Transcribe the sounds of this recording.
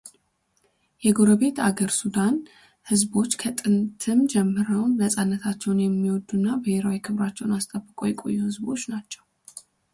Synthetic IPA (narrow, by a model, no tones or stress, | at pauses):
jɛɡo̞ɾəβe̞t̪aɡəɾsud̪an | hɨzbo̞t͡ʃːkʰət̪ʼɨnt̪ʰɨmd͡ʒɛmːɨɾəwmnəsʼanːət̪ʰat͡ʃːɛwnjɛmːiwɔd̪ːunːabəheɾawikʰɨβɾat͡ʃːɛwnast̪ʼəbːɨkʼojɛkʼo̞̰jːuhɨzbo̞t͡ʃːnat͡ʃːɛw